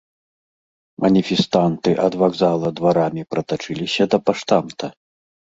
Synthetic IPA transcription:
mʔɐnʲifʲɛst̪ant̪ɨʔɐd̪vaɡzalˠɐd̪vaɾamʲipɾɐt̪at͡ʂɨlʲisʲɐd̪ɐpaʂt̪amt̪ɐ

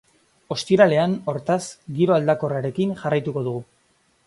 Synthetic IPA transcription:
o̞st̪iɾale̞ano̞ɾt̪asɡiɾo̞ald̪ako̞raɾe̞kinʝarajt̪uko̞ðuɣu

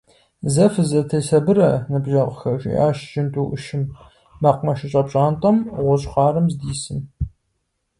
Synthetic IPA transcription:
zɐfɨzɐtʰɐjsɐbɨɾɐnɨbʒɐʁʷxɐʒʼɪ̰ʔa̰ːʃʒɪntʼuːʔʊʃɪmː | ɐqʷmɐʃɪɕʼɐpɕʼaːntʼɐmʁʷʊɕʼχɑːɾɨmzdiːsɨm

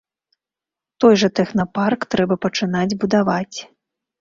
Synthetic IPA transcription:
t̪ɔjʐɐt̪ɛxnɐparkt̪ɾɛbɐpɐt͡ʂɨn̪ad͡zʲbud̪avat͡sʲ

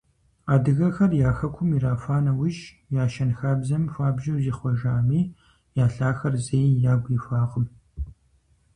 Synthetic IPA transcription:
aːdɨɣɐxɐrjaːxɐkʷʰʊmiɾaːfaːnɐwʊʒ | jaːʃɐnxaːbzɐmfaːbʒɐwziːχʷɔʒaːmiː | jaːɬaːxɐrzejjaːɡʷiːfaːʁəm

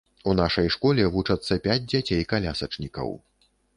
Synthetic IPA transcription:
unaʂɐjʂkɔlʲɛvut͡ʂɐt̪sːɐpʲad͡zʲd͡zʲat͡sʲejkalʲasɐt͡ʂnʲikɐ̰w

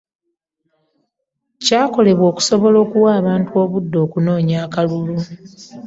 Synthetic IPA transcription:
caːko̞le̞βwo̞ːku̥so̞βo̞lo̞ːkuwaːβaːntuo̞ːβudːo̞ːkuno̞ːɲaːkalulu

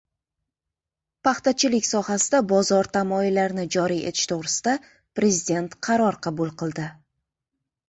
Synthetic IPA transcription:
pɑχt̪at͡ʃʰɪlɪkʲsɒhasɪd̪abɒzɒɾt̪ʰamɒilːaɾnɪd͡ʒɒɾiḛt̪ʰɪ̥ʃt̪ʰoʁɾɪsɪd̪a | pɾe̞zid̪e̞nt̪qʰɑɾɒɾqʰɑbulˠqɨlˠd̪ɪ

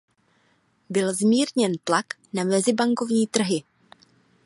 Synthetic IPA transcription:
bɪlzmiːɾɲɛnt̪lak | namɛzɪbaŋko̞vɲiːt̪r̩ɦɪ

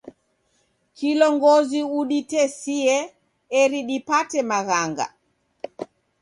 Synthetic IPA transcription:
kilɔŋɡɔziuɗitɛsiɛ | ɛɾiɗipatɛmaɣaŋɡa̰

